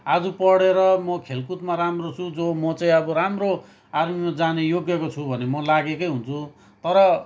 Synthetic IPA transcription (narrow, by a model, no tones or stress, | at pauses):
ad͡zupʌɽeɾʌmʌkʰelkut̪maramrot͡sʰud͡zomʌt͡sãĩʌbʌɾamro | armimad͡zanejoɡjekot͡sʰubʱʌnemʌlaɡekʌjɦunt͡sʰu | t̪ʌɾʌ